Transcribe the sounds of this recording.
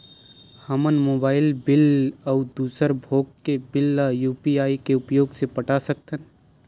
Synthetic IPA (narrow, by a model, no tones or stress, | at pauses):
həmənmoːbaːɪlbɪləd̪uːsəɾbʱoːɡ̚kːebɪlajuːpiaːikeʊpjoːɡsepəʈasək̚t̪ən